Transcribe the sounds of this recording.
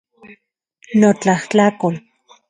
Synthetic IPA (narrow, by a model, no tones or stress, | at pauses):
not͡ɬaht͡ɬakol